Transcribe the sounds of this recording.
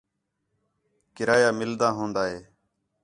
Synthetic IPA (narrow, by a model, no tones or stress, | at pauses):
kɪɾaːjaːmɪld̪ãːɦõːnd̪aːɦeː